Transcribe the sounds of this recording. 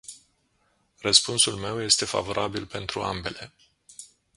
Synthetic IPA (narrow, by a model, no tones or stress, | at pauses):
rəspunsulme̞wje̞st̪e̞fa̰vo̞ɾʔabilpe̞nt̪ɾua̰mbe̞le̞